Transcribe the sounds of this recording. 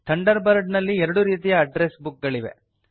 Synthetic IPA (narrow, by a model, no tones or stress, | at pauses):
t̪ʰɐɳɖɐɾbɐɾɖnɐlːiɛɾɐɽuɾiːt̪ijɐːɖɾesbuk̚ɡɐɭiʋḛ